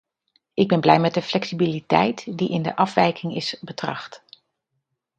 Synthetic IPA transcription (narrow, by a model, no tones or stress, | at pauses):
ʔɪɡ̚bɛnblɛjmɛt̚dəflɛksibilitɛ̰jtdiʔɪndə̰ʔɑfʋɛjkɪŋɪsbətrɑ̰χt